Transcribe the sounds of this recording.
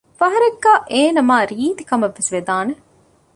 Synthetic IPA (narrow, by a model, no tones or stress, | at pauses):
fɐɦɐɾeɡːaːʔeːnɐmaːɾiːt̪ikɐmɐʋːesʋed̪aːne